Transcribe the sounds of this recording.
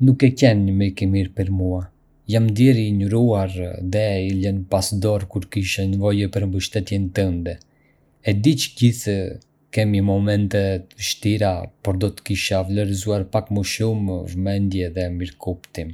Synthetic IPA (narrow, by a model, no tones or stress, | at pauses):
nukɛcɛnɲəmiɾkimiɾpɛɾmua | jamd̪jɛɾiɲuɾuaɾðɛilɛnpasd̪ɔɾkuɾkiʃɛnəvɔjɛpəɾmbəʃt̪ɛt̪jɛnt̪ənd̪ɛ | ɛd̪it͡ʃɟiθ | kɛməmɔmɛnt̪ɛt̪əəʃt̪iɾapɔɾd̪ɔt̪ə̥kiʃavləɾzuaɾpakməʃumvmɛnd̪jɛðɛmiɾkupt̪im